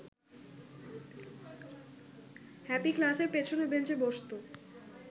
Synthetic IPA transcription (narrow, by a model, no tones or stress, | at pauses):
hɛpiklaseɾpet͡ɕʰonebent͡ɕeboʃt̪o